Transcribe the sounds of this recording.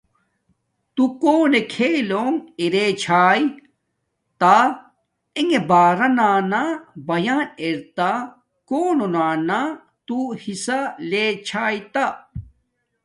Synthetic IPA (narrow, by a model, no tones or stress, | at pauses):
t̪ukoːnekʰeːloːŋiɾet͡ɕʰaːj | t̪a | eŋebaːɾɐnaːnabɐjaːneɾt̪a | koːnonaːna | t̪uhisaleːt͡ɕʰaːjt̪a